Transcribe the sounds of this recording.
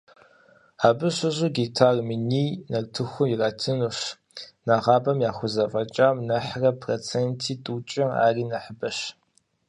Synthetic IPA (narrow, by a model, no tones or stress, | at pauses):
aːbɨɕʷʊʑʼuɡitʰaːrminiːnɐrtʰɨxʷʊmjiraːtʰɨnuɕ | naʁɑːbɐmjaːxʷʊzɐfʼɐt͡ʃʼaːwnɐħrɐpʰrot͡sʰeːntʰiːtʼuːt͡ʃʼɐa̰ːriːnɐħəbɐɕ